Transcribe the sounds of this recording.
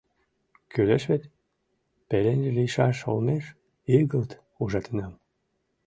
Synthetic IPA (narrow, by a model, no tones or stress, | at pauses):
kyleʃβet̪ʲ | pelenʲʒeliʃɑʃo̰lneʃ | iɣəlt̪ | uʒɑt̪enɑm